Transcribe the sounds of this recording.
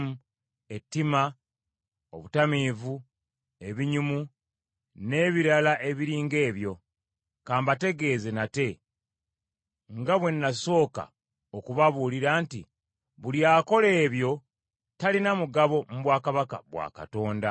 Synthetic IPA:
mu | e̞tːima | o̞̰βutamivu | e̞βiɲumu | ne̞ːβiɾalaʔe̞βiɾiːŋɡe̞ːβjo̞ | kaːmbate̞ɡe̞ːzenate̞ | ŋɡaβwe̞nːaso̞ːka̰ | okuβaβuːliɾaːntḭ | βuljaːko̞le̞ːβjo̞ | talinamuɡaβo̞muβwaːkaβaka̰βwa̰ːka̰to̞ːnda

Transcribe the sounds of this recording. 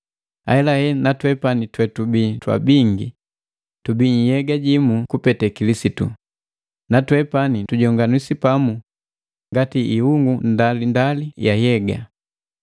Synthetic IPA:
a̰ɛlahɛnatwɛpanitwɛtubitwa̰biŋɡḭ | tubiɲ̩jɛɡaɟimukupɛtɛkilisitṵ | natwɛpanituɟɔŋɡanusipamu | ŋɡatiʔihuŋɡundalindalijajɛɡa̰

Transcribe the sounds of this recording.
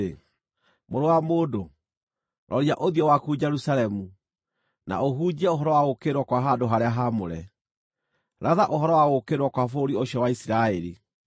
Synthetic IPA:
e | moɾowamodo | ɾʔɔɾiaʔoðiɔwakud͡ʑɛɾusaɾɛmu | na̰oɦuːd͡ʑiɛoɦɔɾɔwaɣokeɾwɔkwaɦadoɦaɾeaɦamoɾɛ̰ | ɾʔaðaʔohɔɾɔwaɣokeɾwɔkwafoɾioɕiɔwaisiɾaeɾi

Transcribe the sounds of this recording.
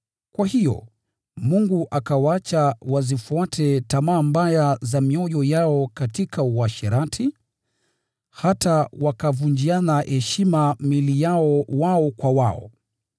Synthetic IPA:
kwahijɔ̰ | muŋɡuʔakawaat͡ʃawazifuatʰɛtamaːmbajazamiɔjɔjaɔkatikʰauaʃɛɾatʰi | hatawakavund͡ʒianahɛʃimamilijaɔwaɔkwawaɔ̰

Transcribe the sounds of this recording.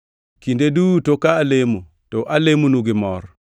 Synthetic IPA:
kindedutokaːlemu | toʔalemunuɡɪmɔɾ

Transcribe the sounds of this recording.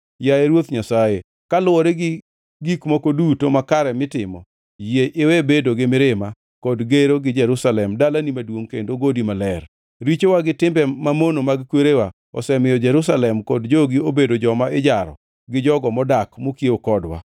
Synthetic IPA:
jajɛɾwot̪ɲasaje | kalʊwɔɾeɡ | ɡikmokodutomakaɾɛmɪtɪmɔ | jeʔɪwebedoɡɪmɪɾɪma | kɔdɡeɾoɡɪd͡ʒɛɾusalɛmdalanimadwoŋkendoɡodimalɛr | ɾit͡ʃowaɡɪtɪmbɛmamonomaɡkweɾewa | ɔ̰sɛmɪjɔd͡ʒɛɾus̬alɛmkɔdd͡ʒoɡɪobedod͡ʒɔmaɪd͡ʒaɾɔ̰ | ɡɪd͡ʒɔɡɔmɔdakmokjeokɔdwa̰

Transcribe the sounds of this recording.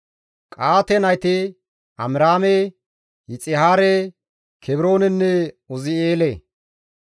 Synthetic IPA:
kʼaːt̪ɛnɐjt̪ɪ | ʔɐmɾaːme | hɪt͡sʼɪhaːɾe | kʰɛbɪɾo̞ːnɛnːɛ | ɔzɪeːle

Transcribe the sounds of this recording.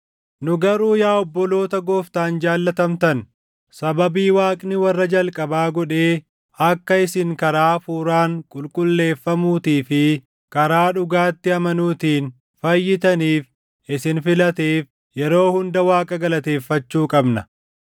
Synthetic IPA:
nʊɡɐɾuːjaːɔbːɔlo̞ːt̪ɐɡoːft̪aːnd͡ʒaːlːɐt̪ɐmt̪ɐn | sɐbɐbiːwaːkʼnɪwɐrːɐd͡ʒɐlkʼɐbaːɡɔᶑe̞ː | ɐkːɐɪsɪŋkɐɾaːfuːɾaːŋkʼʊlkʼʊlːe̞ːfːɐmuːt̪iːfɪ | kɐɾaːᶑʊɡaːt̪ːɪɐmɐnuːt̪iːn | fɐjːɪt̪ɐniːf | ʔɪsɪnfɪlɐt̪eːf | jɛɾo̞ːhʊnd̪ɐwaːkʼɐɡɐlɐt̪e̞ːfːɐt͡ʃːuːkʼɐbnɐ

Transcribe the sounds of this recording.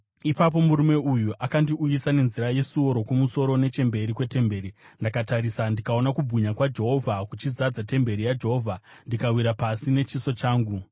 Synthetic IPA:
ipap̬o̞muɾume̞ujuʔakandiʔujisane̞nziɾaje̞suo̞ɾo̞kumuso̞ɾo̞ne̞t͡ʃe̞mbe̞ɾikwe̞te̞mbe̞ːɾindakataɾisandikao̞nakubʱuɲakwad͡ʒe̞ɦo̞vʱakut͡ʃizad͡zate̞mbe̞ɾijad͡ʒe̞ɦo̞vʱandikawiɾapasine̞t͡ʃiso̞t͡ʃaːŋɡu

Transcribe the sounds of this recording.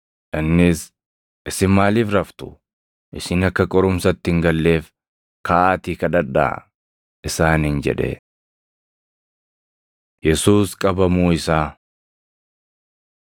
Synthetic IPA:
ʔɪnːɪs | ʔɪsɪnmaːliːfɾɐft̪ʊ̥ | ʔɪsɪnɐkːɐkʼɔɾʊmsɐt̪ːɪɪŋɡɐlːe̞ːf | kaːt̪iːkɐd̪ɐᶑa̰ | ʔɪsaːnɪnd͡ʒɛ̰ᶑɛ̰ | jɛsuːskʼɐbɐmuːɪsaː

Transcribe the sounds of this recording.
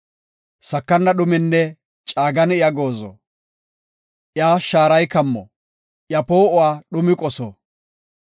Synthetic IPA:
sɐkːɐnːɐɗʊmɪnːɛ | t͡ʃʼaːɡɐnɪjaɡoːzɔ̰ | ʔɪjaːʃaːɾɐjkɐmːɔ̰ | ʔjɐpoːʔʊwaːɗʊmɪkʼɔsɔ̰

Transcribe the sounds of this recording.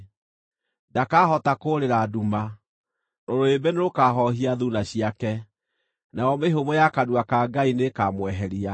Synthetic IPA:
dakaːhɔtakoɾeɾaduma | noɾoebɛneɾokaɦɔɦiaðunaɕiakɛ | naɔmeɦomɔjakadwakaɡainekamwɛɦɛɾia

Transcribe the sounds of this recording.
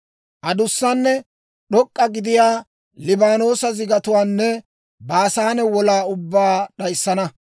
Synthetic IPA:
ʔɐd̪ʊsːɐnːɛ | ɗɔkʼːɐɡɪd̪ɪjaː | lɪbaːno̞ːsɐzɪɡɐt̪ʊwaːnːɛ | baːsaːnɛwɔlaːʊbːaːɗɐjsːɐnɐ

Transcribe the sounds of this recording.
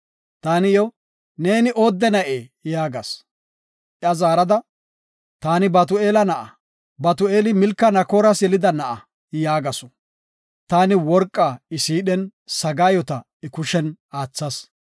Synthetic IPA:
t̪aːnɪjɔ | ne̞ːnɪʔo̞ːd̪ːɛnɐʔeːjaːɡɐs | ʔɪɐzaːɾɐd̪ɐ | t̪aːnɪbɐt̪̬ʊe̞ːlɐnɐʔɐ | bɐt̪ʊeːlɪmɪlkːɐnɐkoːɾɐsjɛlɪd̪ɐnɐʔɐ | jaːɡɐsɔ̥ | t̪aːnɪwɔɾkʼːaːɪsiːɗɛnsɐɡaːjɔt̪ɐ | ɪkʊʃɛnaːt͡sːɐs

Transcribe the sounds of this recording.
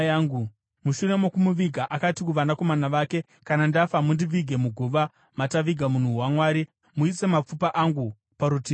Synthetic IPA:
aːŋɡu | muʃure̞mokumuʋiɡʱaʔakatikuʋanako̞manaʋaːke̞ | kanandafamundiʋiɡʱe̞muɡʱuʋa | mataʋiɡʱamun̤uwamwaːɾi | muise̞map͡fupaʔaŋɡu | paɾutiː

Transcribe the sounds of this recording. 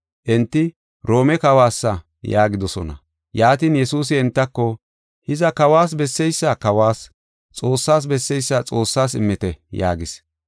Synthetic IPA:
ʔɛnt̪ːɪ | ɾo̞ːmɛkɐwaːsːɐ | jaːɡɪd̪ɔsɔ̰nɐ̰ | jaːt̪iːnjɛsuːs̬ɪɛnt̪ːɐkːɔ | hɪzɐkɐwaːs̬bɛsːɛjsːakɐwaːs | t͡sʼo̞ːsːaːs̬bɛsːɛjsːat͡sʼo̞ːsːaːsɪ̰mːɪt̪ɛja̰ːɡɪs

